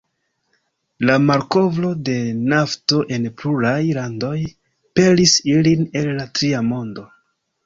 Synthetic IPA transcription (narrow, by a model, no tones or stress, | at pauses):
lamaɾko̞vlo̞de̞nafto̞ʔe̞npluɾajlando̞j | pe̞lisiline̞lːatɾiamo̞ndo̞